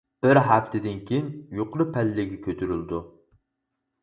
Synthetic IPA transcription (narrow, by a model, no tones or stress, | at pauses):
b̥ɪɾɦæft̪ʰɪd̪ɪnkʲʰejinjoqɾɨpʰɛlːɪɡʲɛkʲʰøt̪ʰyɾyld̪u